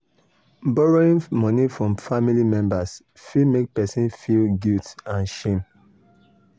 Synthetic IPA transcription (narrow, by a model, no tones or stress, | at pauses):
bɔɹoĩnmɔnifɹɔ̃mfamilimɛ̃mbas | fimek̚pɛsĩnfilɡiltãnʃẽm